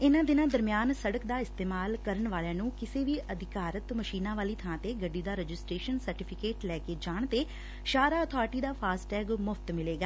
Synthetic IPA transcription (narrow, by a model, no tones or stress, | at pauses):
ɪnãːd̪ɪnãːd̪əɾmɪjaːnsəɽəkd̪aːɪst̪eːmaːlkəɾəɳʋaːljãːnũːkɪseːʋiːʔəd̪ʱɪkaːɾət̪məʃiːnãːʋaːliːt̪ʰãːt̪eːɡəɖːiːd̪aːɾɛd͡ʒɪsʈɾeːʃənsəɾʈɪːpʰɪkeːʈlɛːkeːd͡ʒaːɳ̃t̪eː | ʃaːɾaːɔt̪ʰɔːɾʈiːd̪aːpʰaːsʈɛːɡmʊfʰt̪mɪleːɡaː